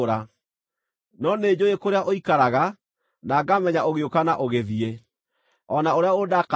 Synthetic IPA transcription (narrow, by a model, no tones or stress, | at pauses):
ɾa | nɔned͡ʑojekoɾeaʔoikaɾaɣa | naːɡamɛɲaoɣeokanaʔoɣeðie | ɔnaoɾeaodak